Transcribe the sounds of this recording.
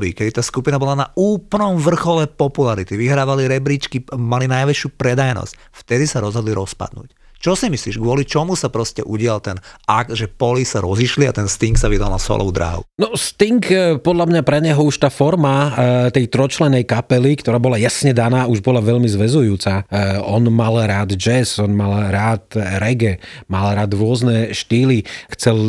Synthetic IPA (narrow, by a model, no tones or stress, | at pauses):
bḭkɛd̪it̪aːskupinabɔlanauːplnɔmʋr̩xɔlɛpɔpulaɾit̪iʋiɦɾaːʋaliɾɛbɾiːt͡ʃkimalinajʋɛt͡ʃɪupɾɛd̪ajnɔ̰sc | ft̪ɛd̪isaɾɔzɦɔd̪liɾɔspa̰d̪nṵːc | t͡ʃɔsimisliːʒɡʋʊɔlit͡ʃɔmusapɾɔscɛʔuɟɪalt̪ɛnaɡ̪ʒɛpɔlisaɾɔziʃliat̪ɛnst̪iŋksaʋid̪a̰lna̰sɔ̰lʔɔ̰ʊd̪ɾa̰ːɦnɔst̪iŋkpɔd̪ʎamɲapɾɛɲɛɦɔuʃt̪aːfɔɾmat̪ɛjt̪ɾɔt͡ʃlɛnɛjkapɛlikt̪ɔɾaːbɔlajasɲɛd̪anaːuʒbɔlaʋɛʎmizʋɛzujuːt͡saɔnmalɾaːd̪d͡ʒɛzɔnmalɾaːt̪ɾɛɡɛmalɾaːd̪ɾʊɔznɛʃt̪iːlixt͡sɛl